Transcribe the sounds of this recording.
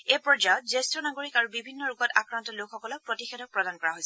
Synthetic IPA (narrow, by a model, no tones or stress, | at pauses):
epɹɔd͡ʒajɔt̚zestɹɔnaɡoɹikaɹubibʱinːɔɹukɔtakɹantɔlukxɔkɔlɔkpɹotixedɔk̚pɹɔdankɔɹaɦojsɛ